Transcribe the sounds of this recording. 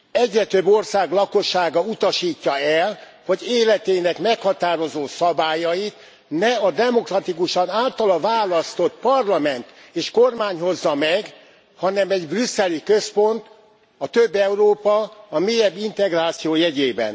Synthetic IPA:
ɛɟrɛt̪øbːo̞rsaːɡlɒko̞ʃːaːɡɒut̪ɒʃiːcːɒɛl | ho̞ɟeːlɛt̪eːnɛkmɛkhɒt̪aːɾo̞zoːsɒbaːjɒjit̪ | nɛɒd̪ɛmo̞krɒt̪ikuʃɒnaːlt̪ɒlɒvaːlɒst̪o̞t̪pɒrlɒmɛnt̪eːʃkormaːɲɦo̞zːɒmɛɡ | hɒnɛmɛɟbrysːɛlikø̞spo̞nt̪ | ɒt̪øbːɛuɾoːpɒːmeːjɛbːint̪ɛɡraːt̪sijoːjɛɟeːbɛ̰n

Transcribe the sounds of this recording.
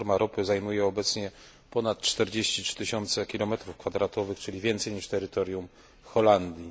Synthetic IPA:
ɾmaɾʔɔpɘzajmujɛɔbɛt̪sɲɛ | pɔnat̪t͡ʂt̪ɛɾd͡ʑeɕt͡ɕitt͡ʂt̪ɘɕɔnt̪sɛkʲilɔmɛt̪ɾufkfad̪ɾat̪ɔvɘxt͡ʂɘlʲivʲjɛnt̪sɛjɲiʂt̪ɛɾɘt̪ɔɾʲjum | xɔland̪ʲji

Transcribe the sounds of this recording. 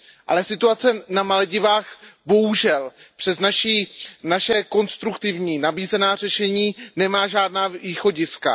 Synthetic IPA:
ʔa̰lɛsɪt̪uat͡sɛnamalɛɟɪvaːxbo̞ɦuʒɛlpr̥ɛznaʃiːnaʃɛko̞nst̪ɾukt̪ɪvɲiːnabiːzɛnaːr̝ɛʃɛɲiːnɛmaːʒaːdnaːviːxo̞ɟɪska̰

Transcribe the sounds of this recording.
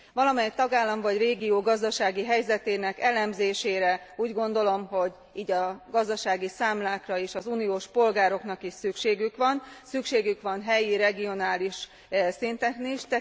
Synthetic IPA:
ʋɒlɒmɛt̪ɒɡaːlːɒɱvɒɟreːɡioːɡɒzd̪ɒʃaːɡiɦɛjzɛt̪eːnɛkɛlɛmzeːʃeːɾɛuːɟɡo̞nd̪o̞lo̞mɦo̞ɟ | iːɟɒɡɒzd̪ɒʃaːɡisaːmlaːkrɒeːʃɒzunijoːʃpo̞lɡaːɾo̞knɒkiʃsykʃeːɡykʋɒnsykʃeːɡykʋɒnɦɛjiɾɛɡio̞naːliʃ | sint̪ɛkniʃt̪ɛ

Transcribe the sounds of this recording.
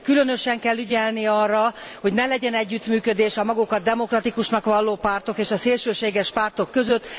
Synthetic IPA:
kylø̞n̪ø̞ʃɛŋkɛlːyɟɛlniɒrːɒho̞ɟnɛlɛɟɛnɛɟːyt̪myːkød̪eːʃɒmɒɡukɒd̪ɛmo̞krɒt̪ikuʃnɒkʋɒlːoːpaːrt̪o̞keːʃɒseːlʃøːʃeːɡɛʃpaːrt̪o̞kːø̞zøt̪ː

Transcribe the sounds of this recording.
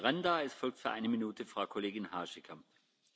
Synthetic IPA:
ʁandaːɛsfɔlk̚tfyːɐʔaɪnəminuːtʰəfʁ̥aʊkʰoleːɡɪnhaːʃɛkʰɐ

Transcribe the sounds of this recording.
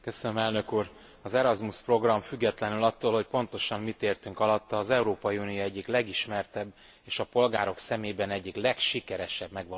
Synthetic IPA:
kø̞sønømɛlnø̞kuːr | ɒzɛɾɒzmuspro̞ɡrɒɱfyɡːɛt̪lɛnylɒt̪ːoːlho̞cpo̞n̪t̪o̞ʃɒmmit̪eːrt̪yŋkɒlɒt̪ːɒːzɛuɾoːpɒjiuːnijoɛɟːiklɛɡiʃmɛrt̪ɛbː | eːʃɒpo̞lɡaːɾo̞ksɛmeːbɛnɛɟːiklɛkʃikɛɾɛʃɛbmɛɡʋɒ

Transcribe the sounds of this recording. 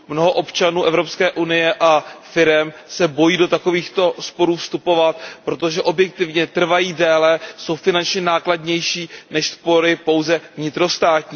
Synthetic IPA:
mno̞ɦo̞ʔo̞pt͡ʃanuːʔɛvɾo̞pskɛːʔunɪjɛʔafɪɾɛmsɛbo̞jiːdo̞t̪ako̞viːxt̪o̞spo̞ɾuːfst̪upo̞vat̪̚pɾo̞t̪oʒɛʔo̞bjɛk̚t̪ɪvɲɛt̪r̩vajiːdɛːlɛso̞wfɪnant͡ʃɲɛnaːkladɲɛjʃiːnɛʃspo̞ɾɪpo̞wzɛvɲɪt̪ɾo̞st̪aːt̪ɲiː

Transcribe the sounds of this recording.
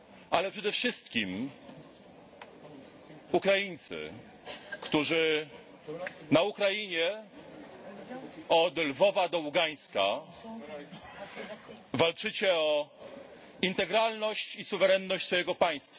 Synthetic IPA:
ʔalɛpʂɛd̪ɛfʂɘst̪kʲim | ukɾajint̪sɘ̰ | kt̪uʐɘ | naukɾajiɲɛ | ɔd̪lvɔvad̪ɔuɡaj̃ska | valt͡ʂɘt͡ɕɛɔ | int̪ɛɡɾalnɔɕt͡ɕisuvɛɾɛnːɔɕt͡ɕsfɔjɛɡɔpaj̃st̪fa

